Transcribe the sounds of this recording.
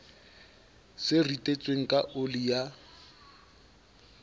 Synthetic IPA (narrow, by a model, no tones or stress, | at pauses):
sɪritʼet͡sʼweŋ̩kʼaʔolija